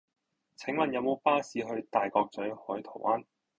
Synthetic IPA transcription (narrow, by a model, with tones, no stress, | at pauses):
t͡sʰɪ˨˥ŋmɐ˨njɐ˨˧wmo˨˧wpaː˥siː˨˧ɦɵ˧ɥt̪aː˨jkɔː˧k̚t͡sɵ˨˥hɔː˨˥jt̪ʰo˨˩wʔaː˥n